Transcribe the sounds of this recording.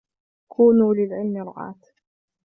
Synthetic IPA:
kʰuːnuːlɪlʕɪlmɪɾˤʊ̰ʕɑ̰ːt̪

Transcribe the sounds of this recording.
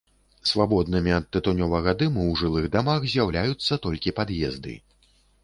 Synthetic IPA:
svabɔd̪nɨmʲiɐt̪̚ːɨt̪unʲɔvɐɣɐd̪ɨmɨwʐɨlˠɨɣd̪amaxzʲjawlʲajut̪sːɐt̪ɔlʲkʲipad̪jɛzd̪ɨ̰

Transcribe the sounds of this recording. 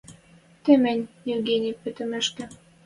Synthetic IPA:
t̪ĕmɘ̆nʲjevɡenʲipø̆t̪ɘ̆mɘ̆ʃkɘ̆

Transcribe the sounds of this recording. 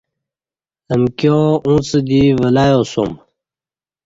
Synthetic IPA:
əmkjoũsəd̪iʋɐlaːjoːso̰m

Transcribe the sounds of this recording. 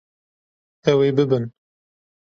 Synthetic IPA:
ɛweːbɨbɨn

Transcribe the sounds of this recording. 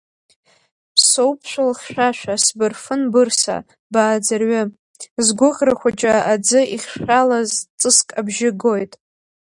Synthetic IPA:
pʰsowpʰʃʷᶣalχʲʃᶣaʃʷᶣasbɨrfɨnbɨrsa̰ | baːd͡zarɥɪ | zɡʷʊqʲʼraχʷat͡ʃʼaad͡zɨiχʲʂalazt͡sʼɨskʼabʒɪɡo̞jtʼ

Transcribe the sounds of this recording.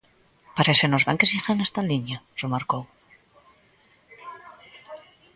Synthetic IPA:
paɾesenozβa̰ŋkesiθanest̪aliɲar̥emaɾkow

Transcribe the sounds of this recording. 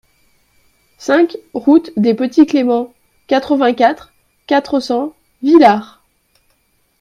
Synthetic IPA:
sɛ̃kʁut̪d̪epət̪iklemɑ̃ | kʲat̪χəvɛ̃kʲat̪χ | kʲat̪χəsɑ̃ | vilaʁ

